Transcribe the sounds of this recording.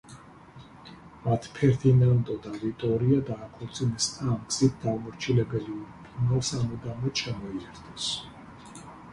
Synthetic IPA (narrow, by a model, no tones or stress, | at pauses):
mat̪ʰpʰɛɾt̪ʰinand̪ɔd̪avit̪ʼɔɾiad̪aːkʰɔɾt̪sʼinɛsaːmksit̪̚ʰd̪avmɔɾt͡ʃʰilɛbɛliuɾpʰunalˠsamɛd̪amɛt̪ʃɛmɔiɛɾd̪ʰɛs